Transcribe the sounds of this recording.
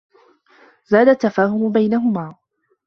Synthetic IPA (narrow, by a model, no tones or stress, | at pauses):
zaːd̪at̪ːafaːhʊmʊbajnaɦʊmaː